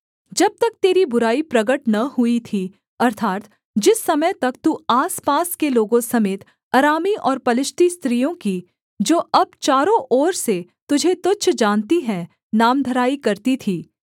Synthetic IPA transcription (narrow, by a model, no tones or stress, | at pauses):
d͡ʒɐb̚t̪ɐk̚t̪eːɾibʊɾaːipɾɐɡəʈnɐɦʊit̪ʰi | ɐɾt̪ʰaːt̪ | d͡ʒɪsːɐməjt̪ɐkt̪uːaːspaːskeloːɡõsɐmeːt̪ | aːɾaːmiʔɔːɾpɐlɪʃʈ̪ist̪ɾiːjõki | d͡ʒoːʔɐb̚t͡ʃaːɾõʔɔːɾse | t̪ʊd͡ʒʱet̪ʊt͡ʃʃʰd͡ʒaːnt̪iɦɛ̃ | naːmd̪ʱɐɾaːikɐɾt̪it̪ʰiː